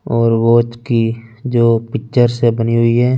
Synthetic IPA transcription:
ɔːɾʋoːt͡ʃkid͡ʒoːpɪk̚t͡ʃəɾsebəniɦʊiɦɛː

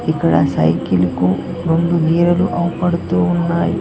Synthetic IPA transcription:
ikɐɽɐ̰sɐ̰jkiliku | ɾond̪uɡiːɾɐluʔɐwupɐɽut̪uunːaːjḭ

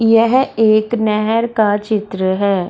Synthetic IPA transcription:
jɛɦeːknɛɦɛɾkaːt͡ʃɪt̪ɾəɦɛː

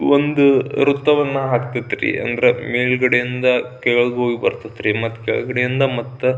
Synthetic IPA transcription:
ond̪uɾut̪ːɐʋɐnːɐɦaːkt̪it̪ːɾḭɐ̰nd̪ɐɾemeːɭɡɐɽejind̪ɐkɛɐɭɡɦoːɡibɐ̰ɾt̪ɐt̪ːɾimɐt̪ːkɛ̰ɭɡɐɽejind̪ɐmɐt̪ːu

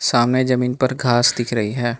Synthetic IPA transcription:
saːmned͡ʒɐmiːnpɐɾɡʱaːsd̪ɪkʰɾɐɦiɦɛː

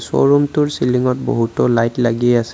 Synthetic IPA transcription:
sɔ̰ɹumtʊɹsiliŋɔt̚bo̰ɦutɔlajtlaɡiɛasɛ

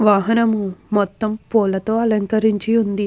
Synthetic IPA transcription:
ʋaːɦɐnɐmumɔt̪ːɐmpɔːlɐt̪o̞ːɐlɐŋkɐɾiɲt͡ʃiund̪i

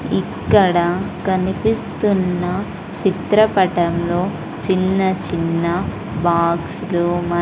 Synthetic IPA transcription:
ikːɐɽɐkɐnipist̪unːɐ | t͡ʃit̪ɾɐpɐʈɐmlo̞ː | t͡ʃinːɐt͡ʃinːɐ | baːɡslumɐ

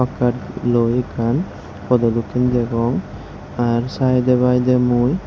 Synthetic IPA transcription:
akaʈlɔjkan | kɔd̪ɔlukind̪ɛɡɔŋ | aɾsajd̪ɛbajd̪ɛmuj

